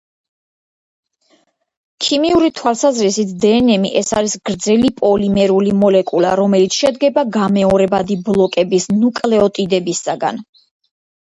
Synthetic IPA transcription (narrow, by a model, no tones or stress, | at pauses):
kʰimiuɾit̪ʰwalˠsazɾisit̪ʰd̪ɛːnɛmiʔɛsaɾisɡɾd̪zɛlipʼɔlimɛɾulimɔlɛkʼulaɾɔmɛlit̪sʰʃɛd̪ɡɛbaɡamɛɔɾɛbad̪iblˠɔkʼɛbisnukʼlɛɔt̪ʼid̪ɛbisaɡa̰n